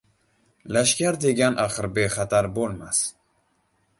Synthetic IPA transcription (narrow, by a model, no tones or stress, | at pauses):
laʃkʲaɾd̪eɡʲanʔaχəɾbexat̪ʰaɾbolmas